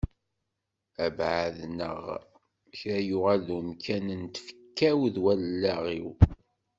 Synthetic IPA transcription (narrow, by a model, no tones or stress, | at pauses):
æbʕaðnə̰ʁ | çæjʊʁalumkʰænənt̪fə̥kːæwðwælːæʁiw